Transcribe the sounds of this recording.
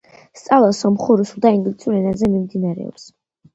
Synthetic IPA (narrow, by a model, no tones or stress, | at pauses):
st̪sʼalˠɔsɔmχuɾusud̪aiŋɡlit̪sʰʼuɾɛnazɛmimd̪inaɾɛ̰ɔ̰ps